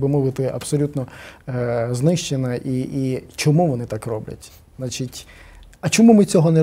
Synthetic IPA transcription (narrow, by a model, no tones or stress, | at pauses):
bɪmɔʋɪt̪ɪɐ̰bsɔlʲut̪nɔ | znɪʃt͡ʃenɐʔiit͡ʃɔmuʋɔnɪt̪akrɔblʲɐ̰tʲ | znat͡ʃitʲ | ɐt͡ʃɔmumɪt͡sʲɔɦɔnɛ